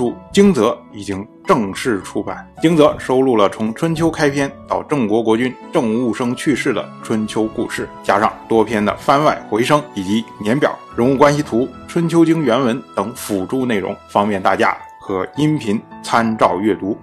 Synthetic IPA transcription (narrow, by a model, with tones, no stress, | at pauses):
u˥˩t͡ɕi˥ŋt͡sɤ˧˥i˨˩t͡ɕi˥ŋʈ͡ʂɤ˥˩˧ŋʂɻ̩˥˩ʈ͡ʂʰu˥pa˨˩˦nt͡ɕi˥ŋt͡sɤ˧˥ʂo˥ʊlu˥˩lə˩t͡sʰʊ˧˥ŋʈ͡ʂʰwə˥nt͡ɕʰjo˥ʊkʰa˥ɪpʰjɛ˥nt̪ɑ˥˧ʊʈ͡ʂɤ˥˩ŋkwɔ˧˥kwɔ˧˥t͡ɕy˥nʈ͡ʂɤ˥˧ŋu˥˩ʂɤ˥ŋt͡ɕʰy˥˧ʂɻ̩˥˩d̪ə̰˩ʈ͡ʂʰwə˥nt͡ɕʰjo˥ʊku˥˧ʂɻ̩˥˩t͡ɕja˥ʂɑ̰˥˧ŋt̪wɔ˥pʰjɛ˥nd̪ə̰˨˩fa˥nwa˥˩ɪxwe˧˥ɪʂɤ˥ŋi˨˩t͡ɕi˧˥njɛ˧˥npjɑ̰˨˩˦ʊɻə˧˥nu˥˩kwa˥nɕi˨˩t̪ʰu˧˥ | ʈ͡ʂʰwə˥nt͡ɕʰjo˥ʊt͡ɕi˥ŋɥɛ˧˥nwə˧˥nt̪ɤ˨˩˥ŋfu˨˩ʈ͡ʂu˥˧ne˥˩ɪɻʊ̰˧˥ŋfɑ˥ŋmjɛ˥˧nt̪a̰˥˩t͡ɕja̰˥xɤ˧˥i˥npʰi˧˥nt͡sʰa˥nʈ͡ʂɑ˥˧ʊɥɛ˥˩t̪u˧˥